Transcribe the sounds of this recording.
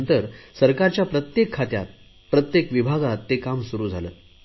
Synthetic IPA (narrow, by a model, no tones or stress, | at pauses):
nt̪əɾsəɾkaɾt͡ɕjapɾət̪jekʰːat̪ja̰t̪̚ | pɾət̪jekʋibʱaɡat̪ːekamsuɾuːd͡zʱaləːt̪